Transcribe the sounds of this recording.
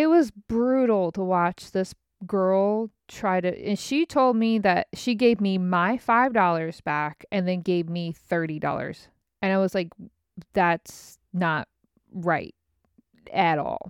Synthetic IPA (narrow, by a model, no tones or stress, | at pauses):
ɪt̚wʌzbɹʉɾl̩ˠtʰəwɑt͡ʃðɪs | ɡ̥ɜ˞lˠtʰɹ̥aɪɾɨɨ̃nʃitʰoʊlˠd̚miðɨt̚ʃiɡeɪvmimaɪfaɪvdɔlˠə˞zbækʰɨ̃nðɨ̃nɡeɪvmiθɜ˞ɾidɔ̰lˠə̰˞z̥ | ɨ̃ñaɪwʌzlaɪk | ðæts | nət̚ | ɹaɪt̚ | ɨɾɔ̰lˠ